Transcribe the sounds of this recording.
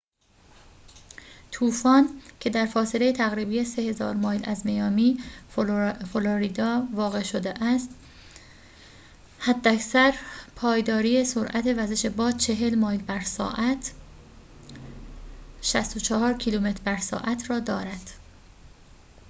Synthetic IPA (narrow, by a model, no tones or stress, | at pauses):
t̪ʰuːfɒːncʰe̞d̪æɾfɒːse̞lejet̪ʰæɣɾiːbiːje̞se̞he̞zɒ̰ːɾmɒːjlæ̰zmejɒːmiː | foloɾiːd̪ɒːvɒːɣe̞ʃod̪eʔæst̪ | hæd̪ːæcsæɾpʰɒːjd̪ɒːɾiːjesoɾʔæt̪ʰe̞væze̞ʃebɒːd̪̥̚t͡ʃʰe̞ɦe̞lmɒːjlbæɾsɒ̰ːʔæt̪ʰ | ʃæst̪o̞t͡ʃʰɒhɒːɾcʰiluːme̞t̪ʰɾbæɾsɒ̰ːʔæt̪ʰɾɒːd̪ɒːɾæd̪̥